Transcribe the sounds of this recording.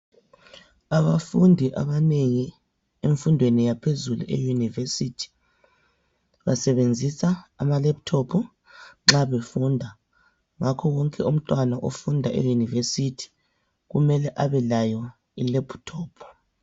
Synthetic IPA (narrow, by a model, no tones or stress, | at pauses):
aβafundʱiʔa̰βaneŋi | eɱfundʱwenijapʰezulṵʔḛjunivesitʰi̥ | βasɛβend͡zʱisaːmalɛp̚tʰɔpʰɔ | ŋ͡ǁaβefundʱa | ŋakʰɔɣɔŋkʼɛum̩tʼwanaʔofundʱaʔḛjunivesitʰi̥ | ɣumɛlɛʔaβɛlajɔ | ḭlɛpʰtʰɔːpʰɔ̥